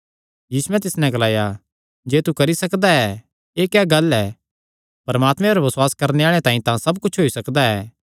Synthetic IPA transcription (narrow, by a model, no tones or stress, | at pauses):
jiːsuɛ̃t̪ɪsnɛ̃ɡɐlaːja | d͡ʒeːt̪ukɐɾisɐkd̪aɛ | eːkɛːɡɐlɛː | pɐɾɐmaːt̪mɛ̃ɐɾaʋɐswaːskɐɾneaːɭ̃ẽt̪ãːĩt̪ãsɐbkʊt͡ʃʰɦoːisɐkd̪aɛː